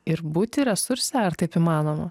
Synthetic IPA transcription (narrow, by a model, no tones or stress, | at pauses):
ɪɾbuːt̪ʲɪɾʲɛsʊɾʲsʲæɐɾt̪ɐɪpimɑːnoːmɐ